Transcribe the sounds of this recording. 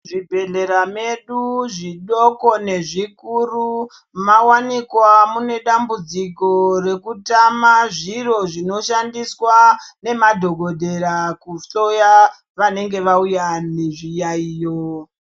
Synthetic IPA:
ʐibʱe̞ɮe̞ɾame̞ɗuʐiɗo̞ko̞ne̞ʐikuru | mawanikwamune̞ɗambud͡zikore̞kutamaʐiro̞ʐino̞ʃandiswane̞madʱo̞ɡʱo̞dʱe̞ɾakuɬo̞ja | ʋane̞ŋɡe̞ʋaujane̞ʐijaiːjo

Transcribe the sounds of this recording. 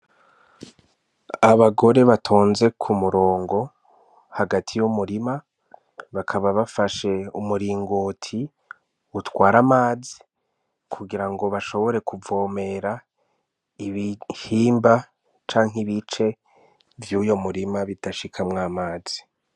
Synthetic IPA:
aβaɡo̞ɾe̞βatʰoːnze̞kʰumuɾo̞ːŋɡo̞ | haɡatʰijumuɾima | βakʰaβaβafaʃe̞umuɾiːŋɡoːtʰi | utwaːɾamaːzi | kʰuɡiɾaŋɡo̞βaʃo̞βo̞ɾe̞kuvo̞ːme̞ɾa | iβihiːmba | t͡ʃaːŋɦiβit͡ʃe̞ | vjujo̞muɾimaβitaʃikʰamŋaːmaːz̥i̥

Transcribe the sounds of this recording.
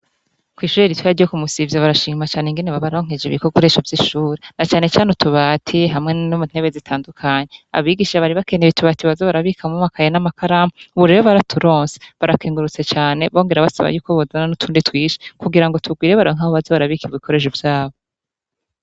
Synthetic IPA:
kwiːʃuːɾeɾitwaaɾjokumusivjaβaɾaʃiːmat͡ʃaːneŋɡeneβaβaɾoŋ̥ed͡ʒeβḭkoɡuɾe̞ːʃovjiʃuːɾenat͡ʃaːne̞t͡ʃaːnetuβaːtʰiɦamŋe̞numun̥he̞βezitʰaːndukʰaɲe̞a̰βiːɡiʃʃaβaɾiβake̞neβituβatiβazoβaɾaβikamumakʰajenamakʰaɾamouβuɾe̞ːɾoβaɾatʰuɾo̞ːnseβaɾakeːŋɡuɾut͡se̞t͡ʃaːne̞βo̞ːŋɡe̞ɾaβasa̰βa̰juːkoβozananutʰuːnditwiːʃe̥kuɡiɾaŋɡo̞tʰuɡwiːɾeβaɾoŋ̥aːhoβazoβaɾaβikiikʰo̞ɾe̞ʃ̬uvjaːβo

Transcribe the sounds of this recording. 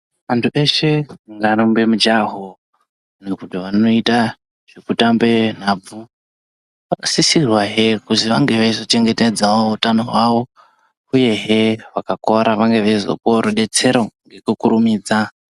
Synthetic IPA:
ʋantʰuʔe̞ʃe̞ŋɡarombemud͡ʒaɦo | nekutiʋano̞ita | ʐ̥ekutambe̞n̤aːb͡vu | ʋakasisirwaɦekuziʋaŋɡe̞ʋeizo̞t͡ʃe̞ŋɡe̞ted͡zaoutanoɦwaʋo̞ | uje̞ɦeʋakakoɾaʋaŋɡe̞ʋeizo̞̰koɾoɗe̞t͡se̞ɾoŋɡe̞kukuɾumiːd͡za

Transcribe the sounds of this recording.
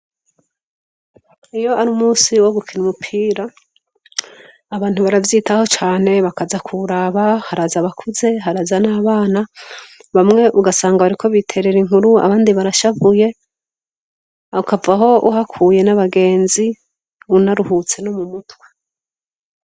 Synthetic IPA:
ijo̞aɾumuːsiwo̞ɡukʰinumupʰiːɾa | βaːn̥huβaɾavjiːtaho̞t͡ʃaːne̞βakazakʰuɾaβahaɾazaβakʰuze̞ɦaɾazanaːβaːnaβamŋe̞ʔuɡasaːŋɡaβaɾikʰo̞βitʰe̞ɾe̞ɾiŋhuɾua̰βaːndiβaɾaʃavuje̞ | akavaɦo̞ʔuɦakʰuːje̞naβaɡe̞ːnzi | unaɾuhut͡se̞nomumutwe

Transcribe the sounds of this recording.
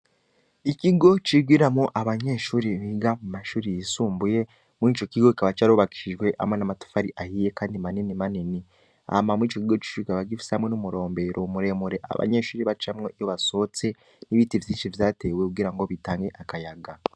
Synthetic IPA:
iciɡo̞t͡ʃiɡwiɾamŋoʔaβaɲe̞ːʃuːɾiβiɡamumaʃuːɾijisuːmbuje̞ | muiːt͡ʃo̞ciɡo̞i̥kaβat͡ʃaɾuβaki̥ʃiʒɡwe̞ʔa̰mwe̞namatu̥faɾiʔahiːje̞kaːndimaninimanini | a̰mamuiːt͡ʃo̞ciɡo̞t͡ʃi̥uikaβaɡifi̥sehamŋe̞numuɾo̞ːmbe̞ɾʔoumuɾe̞muɾe̞ʔa̰βa̰ɲe̞ʃuːɾiβat͡ʃamŋo̞ijoβaso̞t͡se̞ | niβiːtivjiːnʃivjaːte̞we̞kuɡiːɾaŋɡo̞βitaːŋɡe̞ʔakajaɡa

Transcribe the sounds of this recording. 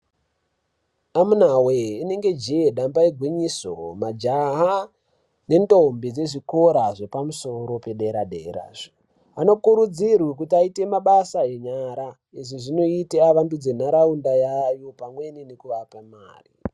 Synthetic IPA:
amunaweine̞ŋɡe̞d͡ʒieɗambaiɡʱwiɲiso̰mad͡ʒaɦa | ne̞ndombid͡ze̞ʐikoɾaʐe̞pamuso̞ɾo̞pe̞ɗeɾadḛɾa̰ʐ̥o | ano̞kuɾud͡zirwik̬utiaite̞maɓasaeɲaɾa | eʐiʐino̞iteaʋantud͡zen̤aɾaundajajo̞pamwe̞ninekuʋapamaːri

